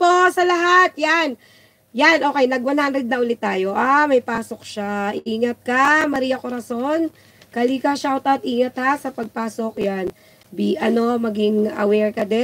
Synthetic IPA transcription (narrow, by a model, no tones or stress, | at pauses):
posɐlɐɦat̪̚jan | janʔo̞ːkɛjnɐɡwɐnhanɾɛd̪̚nɐʔʊlɪt̪ːaːjo̞ʔaːmɐjpaːso̞k̚ʃaʔɪʔiːŋɐt̪̚kamɐɾiːjɐkoɾɐso̞n | kɐliːkɐʃawt̪ɐt̪̚ʔiːŋɐt̪hasɐpɐɡ̚paːso̞kjan | biʔɐno̞mɐɡɪŋɐ̰wɛɹkɐd̪ɛ